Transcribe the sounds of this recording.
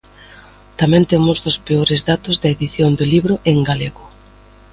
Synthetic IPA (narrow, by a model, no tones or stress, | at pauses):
t̪amɛ̃nt̪emʊzðʊspeoɾezðat̪ʊzðɐeðiθjond̪oliβɾʊʔeŋɡaleɣʊ